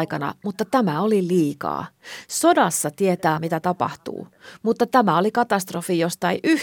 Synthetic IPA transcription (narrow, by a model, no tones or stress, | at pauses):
kɑnɑ̰mut̪ːɑt̪æmæoliliːkɑ̰ːso̞dɑsːɑt̪iet̪æːmit̪æt̪ɑpɑ̰ht̪ṵːmut̪ːɑt̪æmæo̞likɑt̪ɑst̪rofijo̞st̪ɑiʔy